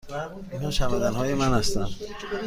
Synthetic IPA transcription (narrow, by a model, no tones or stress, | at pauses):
mæn | inhɒːʃæmæd̪ænɦɒːjemænhæst̪ænd̪̥